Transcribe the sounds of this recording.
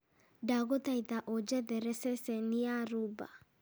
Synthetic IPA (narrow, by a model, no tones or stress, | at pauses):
daɣot̪aiðaʔɔd͡ʒɛðɛɾɛsɛsɛniaɾuba̰